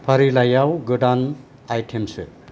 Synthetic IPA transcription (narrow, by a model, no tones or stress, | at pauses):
pʰaɾilajawɡɯdan | ajtʰemsɯ̰